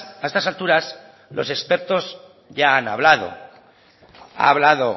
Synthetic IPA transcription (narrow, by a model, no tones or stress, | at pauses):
ae̞st̪asalt̪uɾas | lʔo̞̰sekspe̞ɾt̪o̞z | ʝaːna̰βlaðo̞̰ | a̰βlaðo